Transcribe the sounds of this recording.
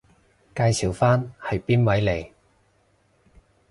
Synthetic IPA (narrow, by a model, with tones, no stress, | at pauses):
kaː˧jsi˨˩wfaː˥nhɐ˨jpiː˥nwɐ˨˥jle˨˩j